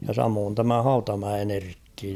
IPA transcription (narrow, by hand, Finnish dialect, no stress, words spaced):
jɑ sɑmoːn tæmæ hɑutɑmæen erkːi